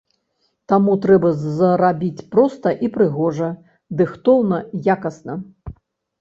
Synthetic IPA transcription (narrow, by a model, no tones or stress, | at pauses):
t̪amut̪ɾɛbɐzɐɾabʲit͡sʲpɾɔst̪ɐʔipɾɨɣɔʐɐ | d̪ɨxt̪ɔwnɐjakɐsnɐ